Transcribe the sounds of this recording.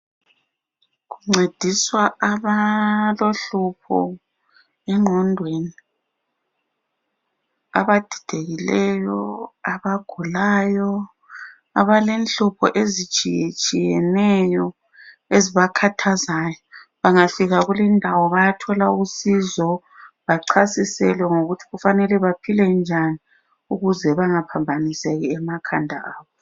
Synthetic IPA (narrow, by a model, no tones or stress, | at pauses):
ɣuŋ͡ǀed̥ʱiswaaβaloɬupʰɔ̰ | ɛŋ͡ǃʱɔndʱweni | a̰βad̥ʱid̥ʱeɣilɛjɔaβaɡ̥ʱulaːjɔ | aβalenɬupʰɔ̰ʔezit͡ʃʼit͡ʃʼijɛnɛjɔ | eziβakʰatʰazaːjɔβaŋafiɣaɣulindʱawɔβajatʰɔlausizɔ | βaǀʰasisɛ̰lwɛŋoɣutʰiɣufanɛlɛβapʰilɛnd͡ʒʱani | uɣuzɛβaŋapʰambʱanisɛɣɛɛmakʰandʱa̰aːβɔ